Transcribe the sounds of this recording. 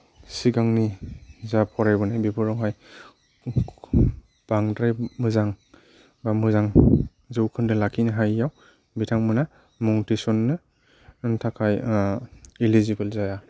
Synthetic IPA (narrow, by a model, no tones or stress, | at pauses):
siɡaŋnizapʰɔɾajbɯnajbibʰɔɾɔwɦaj | b̥aŋdɾajmɯzaŋ | bamɯzaŋ | zɯwkʰɯndɯlakʰinɯɦajːaw | bitʰaŋmɯna | mɔŋtisɔnːɯ | ntʰakʰaj | ilizibɯlzaja